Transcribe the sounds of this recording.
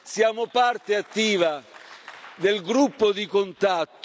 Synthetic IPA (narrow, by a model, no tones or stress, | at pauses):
sjaːmopart̪eat̪ːiːva | d̪elɡɾupːod̪ikont̪at̪ː